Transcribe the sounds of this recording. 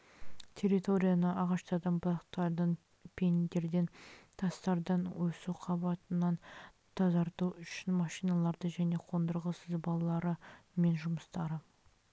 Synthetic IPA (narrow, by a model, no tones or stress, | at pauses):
t̪ʲʰe̞ɾit̪o̞ɾʲijanəʔɑʁɑʃt̪ɑd̪ɑmblˠɑqt̪ɑɾd̪ən | pʰʲe̞nd̪e̞ɾd̪e̞nt̪ʰɑst̪ɑɾd̪ɑnwɵsuqʰɑbɑt̪ənːɑn | t̪ʰɑzɑɾt̪uʏʃɪnmɑʃijnɑlˠɑɾd̪əʒæne̞qʰo̞nd̪əɾʁəsəzbɑlˠɑlˠɑɾəme̞nʒʊməst̪ɑɾə